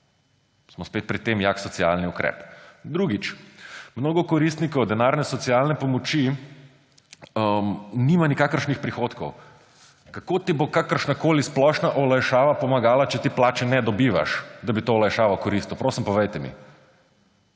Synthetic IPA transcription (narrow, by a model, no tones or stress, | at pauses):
smɔspet̪̚pɾit̪ːemjaksɔsia̰lniukɾɛ̰pd̪ɾuɡit͡ʃmnoːɡɔkɔɾist̪nikɔwd̪ɛnaɾnɛsɔt̪sijalnɛpɔmɔt͡ʃi | mnimanikakəɾʃnixpɾixoːt̪kɔw | kakot̪ibokakəɾʃnakoːlisplɔʃnaʔɔlajʃaːʋapɔmaɡaːlat͡ʃɛt̪eplaːt͡ʃɛnɛd̪ɔbiʋa̰ʃd̪abit̪oːlajʃaːʋawkɔɾist̪uwpɾoːsimpɔʋɛjt̪ɛmḭ